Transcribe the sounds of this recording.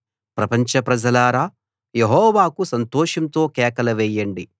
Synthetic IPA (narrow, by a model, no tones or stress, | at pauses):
pɾɐpɐɲt͡ʃɐpɾɐd͡ʒɐlaːɾaː | jeɦɔːʋaːkusɐnt̪ɔːʂɐmt̪o̞ːkɛːkɐlɐʋɛːjːɐɳɖi